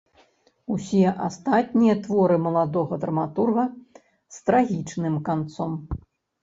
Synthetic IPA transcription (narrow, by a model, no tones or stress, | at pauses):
usʲɛʔast̪at̪ʲnʲijɐt̪vɔɾɨmɐlˠad̪ɔɣɐd̪ɾɐmat̪urɣɐ | st̪ɾaɣʲit͡ʂnɨmkant̪sɔm